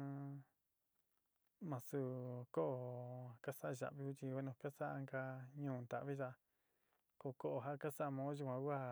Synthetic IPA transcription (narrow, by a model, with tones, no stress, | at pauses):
mã˧su˧ko˦ʔo˨ka˦sa˦ʔa˧ʒa̰˨ʔβi˧˦u˦t͡ʃ̪i˧wa˦nũ˧ka˦sa˦ʔa˧ŋɡa˧ɲũː˦˨˧nd̪a̰˨ʔβi˦ʒa˧ | ko˧˨ko˦ʔo˧˨ɦa˦ka˦sa˦˧mõː˧˦ʒu˧kʷã˧wʷa˦